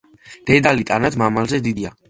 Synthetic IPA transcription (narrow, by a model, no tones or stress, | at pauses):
d̪̥ɛd̪alit̪ʼanad̪ʰmamalzɛd̪id̪ia